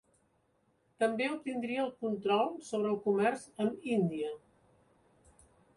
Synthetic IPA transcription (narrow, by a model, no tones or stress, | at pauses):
t̪əmbeup̚t̪ind̪ɾiəːlˠkunt̪ɾɔlˠsoβ̞ɾəːlˠkumɛrzəmind̪iə